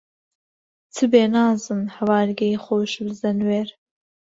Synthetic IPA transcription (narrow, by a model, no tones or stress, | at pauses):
t̪ʰɨbeːnɑːzɨnhɐwɑːɾɡɛiχʷowʃbɨzɐnweːɾ